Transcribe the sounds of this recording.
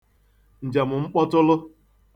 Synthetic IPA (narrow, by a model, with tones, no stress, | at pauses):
n̩˨d͡ʒa˨mʊ˨ŋ͡m̩˦k͡pɔ˦tʊ˦lʊ˦